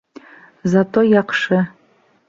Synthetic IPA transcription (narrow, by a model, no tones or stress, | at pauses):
zatʰʼojaqʂɐ